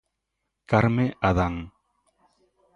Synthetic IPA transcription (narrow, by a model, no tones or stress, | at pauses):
kaɾmeʔaðaŋ